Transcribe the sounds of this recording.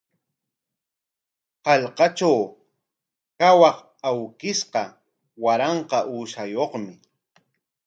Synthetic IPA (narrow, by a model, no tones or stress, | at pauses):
hɑʎqɑt͡ʃaw | kawɑq | awkɪsqɑ | waɾɑɴqɑʔuːʃajoχmɪ